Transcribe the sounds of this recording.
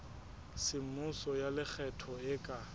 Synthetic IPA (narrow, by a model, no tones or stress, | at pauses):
sɪmʊsɔjalɪk͡xʰɛtʰɔɪkʼa